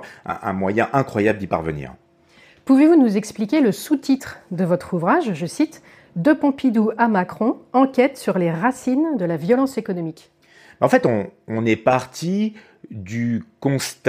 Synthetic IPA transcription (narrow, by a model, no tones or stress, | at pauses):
ɛ̰̃ʔɛ̰̃mwajɛ̃ʔɛ̃kχwajabld̪ipa̰ʁvə̰nḭːʁ | puvevunuzɛksplikʲeləsut̪it̪χd̪əvɔt̪χuvʁaʒʒəsit̪ | d̪əpɔ̃pid̪uamakχɔ̃ɑ̃kʲɛt̪syʁleʁasind̪əlavjɔlɑ̃sekɔnɔmikʲ | bɛɑ̃fɛt̪ɔ̃ːnɛpaʁt̪ʰi | d̪ykɔ̃st̪